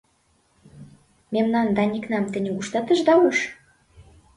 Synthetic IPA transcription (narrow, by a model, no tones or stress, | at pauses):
memnɑnd̪ɑnʲiknɑmt̪ɘ̆nʲɘɡuʃt̪ɑt̪ə̆ʒd̪ɑwɤʃ